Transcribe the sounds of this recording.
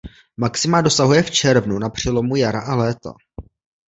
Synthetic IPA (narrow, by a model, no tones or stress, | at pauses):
maksɪmado̞saɦujɛft͡ʃɛɾvnunapr̝̥ɛlo̞mujaɾaʔalɛːt̪a̰